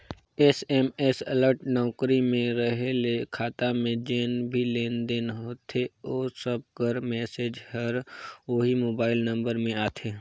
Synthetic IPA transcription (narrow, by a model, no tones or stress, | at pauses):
ɛsɛmesələɾʈnɔːkɾimẽɾəɦelekʰaːt̪amẽd͡ʒeːnbʱileːnd̪enɦoːt̪ʰeoːsəb̚kəɾmɛːseːd͡ʒhəɾʋoːɦimoːbaːɪlnə̃mbəɾmẽaːt̪ʰeː